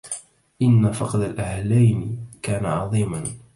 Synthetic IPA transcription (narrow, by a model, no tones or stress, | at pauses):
ʔɪnːafɑqd̪alʔahlajnɪkaːnaʕɑðˤiːman